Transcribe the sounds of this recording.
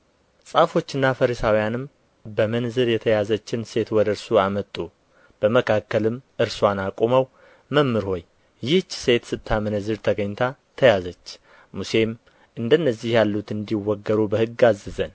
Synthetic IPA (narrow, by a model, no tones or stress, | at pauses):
sʼafo̞t͡ʃːɨnːafəɾisawijanɨm | bəmənzɨɾjɛt̪ʰəjazət͡ʃːɪnse̞t̪wɔd̪əɨɾsuamət̪ʼːu | b̥əməkʰakːəlɨmɨɾswanakʼoməw | məmːɨɾho̞j | jɪht͡ʃːse̞t̪sɨt̪ʰːamɨnəzɨɾt̪ʰəɡəɲːt̪ʰat̪ʰəjazət͡ʃː | muse̞m | ʔɨnd̪ənːəzːihjalːut̪ɨnd̪iwːɔɡːəɾubəhɨɡːazːɨzən